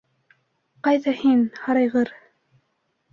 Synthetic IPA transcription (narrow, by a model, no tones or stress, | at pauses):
qɑjðɑhinhɑɾɑjʁɤɾ